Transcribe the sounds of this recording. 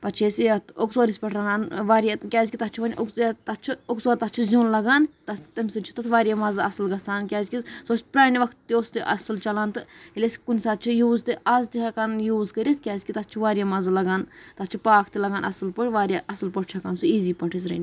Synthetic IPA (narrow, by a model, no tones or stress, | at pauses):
pɐt͡ʃʰeːsijɐt̪oksoːɾisʲpʲɐʈʰɾanaːnʋaːɾjatkʲaːzʲikʲit̪ɐt̪̚t͡ʃʰiʋɐnʲʔokt̪ɐt̪t͡ʃʰioksoːɾt̪ɐt̪̚t͡ʃʰizʲuːnlɐɡaːnt̪ɐt̪ɐmʲsɨt͡ʃʰi̥t̪ɐt̪ʰʋaːɾjamɐzɨɐsɨlɡɐsaːnkʲaːzʲkʲisoːsʲpɾaːniʋɐkʰt̪ːiost̪iʔɐ̰sɨlt͡ʃɐlaːnt̪ɨilʲesʲkunʲsaːt̪̚t͡ʃʰijuːzt̪ɨɐzt̪iɦɐkanjuːzkɐɾit̪ʰkʲaːzʲkʲit̪ɐt̪̚t͡ʃʰiʋaːɾʲjaːmɐzɨlɐɡaːnt̪ɐt̪t͡ʃʰipaːkʰt̪ilɐɡaːnɐ̰sɨlpɐʈʲʋaːɾʲjaʔɐsɨlpɐʈ̚ʰʲt͡ʃʰɐkaːnsuiːziːpɐɳʈʰis̬ɾɐ̰nʲ